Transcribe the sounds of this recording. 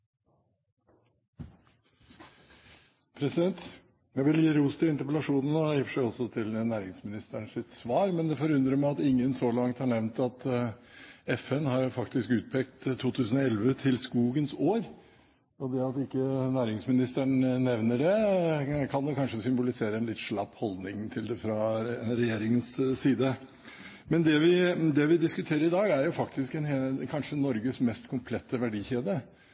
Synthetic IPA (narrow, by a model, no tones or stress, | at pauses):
pʰɾɛsɪd̪ɛnt̪ | jæʋɪljiːɾuːst̪ɪɪnt̪əɾpəlɑʂuːnənɔjɪfəʂæɪɔsɔt̪ʰɪlnæːɾɪŋsmɪnɪst̪əɳsɪt̪sʋɑːɾmɛnd̪ɛfɔɾʉnd̪ɾəmæɪɑt̪ɪŋːənsɔlɑŋt̪hɑɳɛʋnt̪ɑt̪ | ɛfɛnhɑɾjʊfɑkt̪ɪskʉːt̪̚pʰɛk̚t̪t̪ʰːuːt̪ʰʉːsn̩ɔɛlʋət̪ʰɪlskuːɡənsoːɾ | ɔd̪ɛɑt̪ɪkːənæːɾɪŋsmɪnɪst̪əɳnɛʋnəɖɛ | kʰɑnd̪ɛkʰɑnʂəsʏmbʊlɪseːɾəɛnlɪt̪ːʂɭɑpːhɔld̪nɪŋt̪ʰɪld̪ɛfɾɑɾɛjeːɾɪŋənssiːd̪ə | mɛnd̪ɛʋɪd̪ɛʋɪd̪ɪskʉt̪ʰeːɾəɾɪd̪ɑːɡæɾjʊfɑkt̪ɪskɛnkʰɑnʂənɔɾɡəsmɛst̪kʰʊmpʰlɛt̪ːəʋæɖiːçeːd̪ə